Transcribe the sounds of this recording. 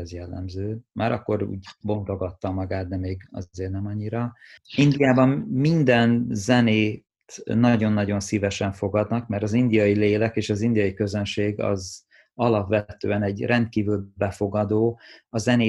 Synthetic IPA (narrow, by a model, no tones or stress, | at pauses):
ɛzjɛlːɛ̰mzøːmʔaːɾɒkːoɾṵːɟbo̞ŋɡɾo̞ɡɒt̪ːɒmːɒɡaːt̪̚d̪ɛmeːɡɒ̰eːrnɛmɒɲːiɾɒ | ind̪ijaːbɒmmind̪ɛnzɛneːt̪nɒɟo̞nːɒɟo̞nsivɛʃɛɱfo̞ɡɒd̪nɒkmɛrt̪ɒzind̪ijɒjileːlɛkeːʃɒzind̪ijɒjikøzø̞nʃeːɡɒ̰z | ɒlɒpʋɛt̪ø̰ːɛnɛɟrʔɛnt̪̚kiːvylbɛfo̞ɡɒd̪oːɒzɛneː